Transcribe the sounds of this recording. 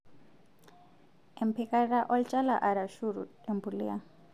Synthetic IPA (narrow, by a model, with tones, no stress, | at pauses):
ɛmpʰɛka˦ɾa˦ʔɔ˦lt͡ʃʼa˦la˨ʔa˨ɾa˨ʃuɾu˨tɛ˨mbuli˦a˦